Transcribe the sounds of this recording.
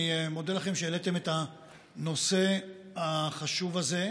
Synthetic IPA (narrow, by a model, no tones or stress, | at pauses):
imod̪elaχe̞mʃeːlete̞meta | no̞se̞ | haχaʃuvaze̞